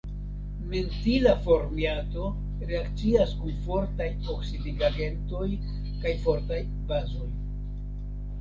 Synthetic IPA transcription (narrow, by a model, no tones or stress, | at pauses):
mentilafo̞ɾmiato̞ | ɾe̞akt͡siaskunfo̞ɾtajoksidiɡaɡe̞nto̞j | kajfo̞ɾtaj | bazo̞j